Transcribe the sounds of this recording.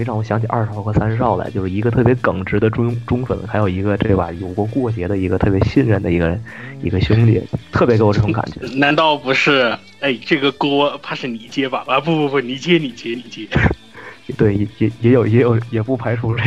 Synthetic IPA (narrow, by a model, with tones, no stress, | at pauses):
e˧˥ʈ͡ʂɑ˥˩ʊwɔ˧˩ɕjɑ˧˥ŋt͡ɕʰi˨˩ʔɐ̰˞˥˧ʂ̩˧˥ɑ˥˧˩xɤ˧˥˩sa˥nʂ̩˧˥ɑ˥˧ʊla̰˧˥t͡ɕjo˥˧ʊʂɻ̩˥˩i˧˥ɡə˧t̪ʰɤ˥˩p̬jɛ˧˥kɤ˨˩ŋʈ͡ʂɻ̩˧˥d̪ə˧ʈ͡ʂʊ˥ʈ͡ʂʊ˥ŋfə̰˧˩˦nxa˧˥ɪjo˨˩ʊi˧˥ɡə˧ʈ͡ʂe˥˧˩ba̰˨˩jo˨˩ʊkwɔ˧˥kwɔ˥˩t͡ɕjɛ˧˥d̪ə˧i˧˥ɡə˧t̪ʰɤ˥˩pjɛ˧˥ɕi˥˧nɻə˥˩nd̪ə˩i˧˥ɡə˧˥ḭ˧˥ɡə˧ɕjʊ˥ŋlḭ˧˩˦t̪ʰɤ˥˩pjke˧˥˨ʈ͡ʂʊ˧ŋka̰˨˩nt͡ɕɥɛ˧˦na˧˥nt̪ɑ˥˩ʊpu˧˥ʂɻ̩˥˩ | e˥˩ɪʈ͡ʂɤ˥˩ɡə˩kwɔ˥t̪ʰa˥ʂɻ̩˥˩ni˨˩t͡ɕjɛ˥bɐ˨a˧˩pu˥˧u˥˧pə˧˩ni˧˥t͡ɕjɛ˥ni˨˩t͡ɕjɛ˥ni˨˧˩t͡ɕjɛ˥˧˩ | t̪we˥˩ɪjɛ˧˩jɛ˧˥jɛ˧˥jo˨˩ʊjɛ˧˥jo˨˩˦ʊjɛ˨˩pu˥˩pʰa˧˥ɪʈ͡ʂʰu˧˥˧